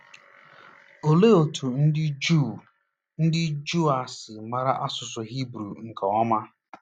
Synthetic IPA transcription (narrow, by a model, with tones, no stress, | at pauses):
o˨le˦o˨tʰu˨n̩˦ɪ˦d͡ʒu˦˨ | n̩˦dɪ˦d͡ʒu˦a˨sɪ˨ma˨ɾa˦ʔa˦sʊ˨sʊ˨ɦi˦bɾu˨ŋ̩˨ka˨ɔ˦ma˦